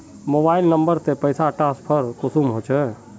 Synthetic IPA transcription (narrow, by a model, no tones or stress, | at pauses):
moːbaːɪlnəmbəɾt̪epəɪsaʈaːspʰəɾkʊsuːmɦoːt͡ʃʰɛ